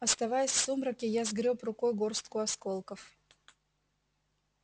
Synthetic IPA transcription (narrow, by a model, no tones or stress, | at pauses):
ɐst̪ɐvajʊsʲfsumɾɐkʲɪjazɡɾʲoprʊkojɡorst̪kʊɐskolˠkəf